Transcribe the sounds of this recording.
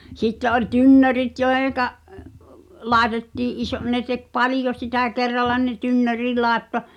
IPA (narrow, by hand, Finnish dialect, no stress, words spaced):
sitːe ʔol tynːørit joeh̆eŋ̆kɑ lɑˑetetːiːʔ ʔiso ne tek pɑlĭjo sitæˑ kerːɑlːɑ ne tynːøri lɑˑetːo